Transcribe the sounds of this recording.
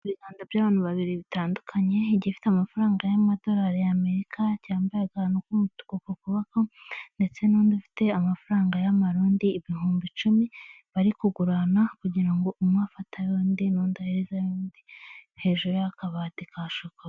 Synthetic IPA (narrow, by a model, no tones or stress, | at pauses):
uβiɡaːndabɟaːβaːnhuβaβiɾiβitaːndukʰaɲe̞iɟifi̥teamafaɾaːŋɡajamado̞ɾaːɾejame̞ɾikʰacaːmbajaɡanokumutu̥kokokuβakonde̞t͡se̞nuːndufi̥te̞amafuɾaːŋɡajamaɾuːndiːβihuːmbit͡ʃumi | βaɾikuɡuɾanakuɟiɾaŋɡo̞ʔumŋaːfatʰajoːndinoːndaheɾezajoːndihe̞ːʒuɾojakaβaːtikaʃoka